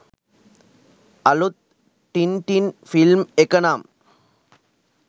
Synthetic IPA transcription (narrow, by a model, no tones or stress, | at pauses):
ʔɐlut̪̚ | ʈɪnʈinfɪlmɛkːɐnaːm